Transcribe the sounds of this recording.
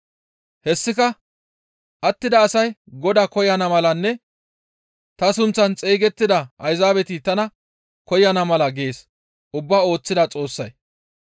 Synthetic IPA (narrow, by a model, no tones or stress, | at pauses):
hɛsːɪkɐ | ʔɐt̪ːɪd̪ɐːsɐjɡɔd̪akɔjɐnɐmɐlɐnːɛ | t̪ɐsʊnt͡sːɐnt͡sʼeːɡɛt̪ːɪd̪ɐʔɐjzaːbɛt̪ɪt̪ɐnɐ | kɔjɐnɐmɐlɐɡe̞ːs | ʔʊbːaːo̞ːt͡sːɪd̪ɐt͡sʼo̞ːsːɐj